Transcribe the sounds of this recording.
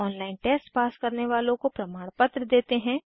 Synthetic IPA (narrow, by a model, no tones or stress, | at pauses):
ɔːnlaːɪnʈeːsʈpaːskɐɾneʋaːlõkopɾɐmaːɽ̃pət̪ɾəd̪eːt̪eɦɛ̃ː